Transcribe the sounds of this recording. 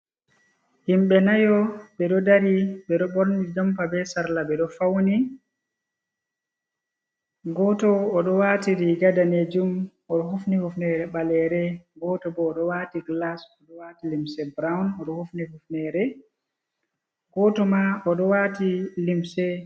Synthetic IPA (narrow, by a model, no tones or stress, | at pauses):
himɓɛnajɔbɛɗɔdaɾibɛɗɔbɔɾnid͡ʒampabɛsaɾlabɛɗɔfawni | ɡɔtɔːɗɔwaːtiɾiɡadaned͡ʒum | ɔɗɔɦufnihufnɛɾɛɓalɛɾɛɡɔtɔbɔːɗɔwaːtiɡlasɔɗɔwaːtilimsɛbɾawnɔɗɔhufnihufnɛɾɛ | ɡɔtɔmaɔɗɔwatilimsɛ